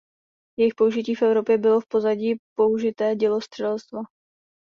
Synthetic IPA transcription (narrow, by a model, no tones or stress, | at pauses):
jɛjɪxpouʒɪciːfʔɛvɾo̞pjɛbɪlo̞fpo̞zaɟiːpo̞uʒɪt̪ɛːɟɛlo̞st̪r̥ɛlst̪va